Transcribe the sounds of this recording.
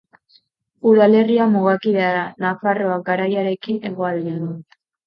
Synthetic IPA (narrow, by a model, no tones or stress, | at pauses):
uðale̞riamuɣ̞akiβeaɾanafaro̞ak̚ɡaɾajaɾe̞kine̞ɣo̞ald̪ianu